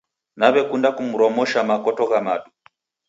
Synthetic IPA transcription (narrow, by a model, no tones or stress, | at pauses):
naβɛkundakumuɾɔmɔʃamakɔtɔɣamaɗu